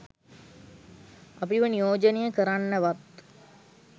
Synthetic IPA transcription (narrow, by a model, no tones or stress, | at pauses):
ɐpiʋɐnijoːd͡ʒɐnijə̃kɐɾanːəʋɐt̪